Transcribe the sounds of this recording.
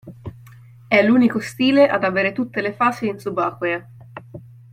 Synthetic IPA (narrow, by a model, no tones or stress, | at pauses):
ɛluːnikost̪iːleʔad̪aveːɾet̪ut̪ːelefaːsiinsubaːkwea